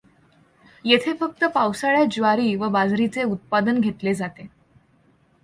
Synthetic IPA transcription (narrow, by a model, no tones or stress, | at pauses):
jet̪ʰefək̚t̪əpawsaɭjad͡ʑʋaɾiːʋəbad͡zɾit͡seut̪̚pad̪ənɡʱet̪led͡zat̪e